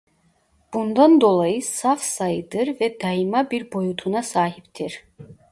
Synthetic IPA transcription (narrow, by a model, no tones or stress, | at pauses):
b̥und̪and̪o̞lˠajɯsafsajɯd̪ɯɾvɛd̪ɑjimabiɾbo̞jut̪ʰunasaːɦipt̪ʰiɾ